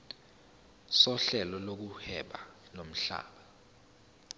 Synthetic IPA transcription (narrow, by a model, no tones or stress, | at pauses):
sɔɬɛlɔlok̬uhɛɓalom̩ɬa̰ːɓa